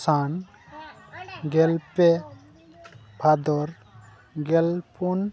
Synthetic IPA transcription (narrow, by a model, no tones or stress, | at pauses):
saːn | ɡɛlpe | bʰʱad̪ɔɾ | ɡɛlpun